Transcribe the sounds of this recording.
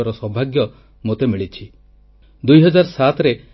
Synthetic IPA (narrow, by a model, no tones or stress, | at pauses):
ɔɾɔsɔbʱaɡjɔ | mot̪emiɭit͡ʃʰi | d̪ujɦɔd͡ʒaɾɔsat̪ɾe